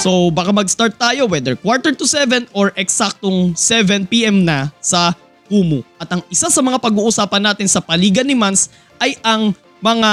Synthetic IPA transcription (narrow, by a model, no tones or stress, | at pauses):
sobaːkamɐɡst̪aɹt̪̚ːaːjo̞wɛd̪ɛɹkwaɹt̪ɛɹt̪usɛvɛnoɹʔɛksak̚t̪oŋsɛvɛnpiʔɛmnɐsɐ | kuːmʊʔɐt̪ɐŋɪsasɐmɐŋapɐɡuːʔʊsaːpɐnːaːt̪ɪnsɐpɐliːɡɐnɪmans | ʔɐjʔɐŋ | mɐŋa